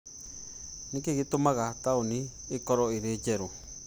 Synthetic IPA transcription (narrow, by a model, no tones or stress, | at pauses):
nĩkiɣit̪umãɣat̪aunĩ | ikoɾoiɾid͡ʒeɾu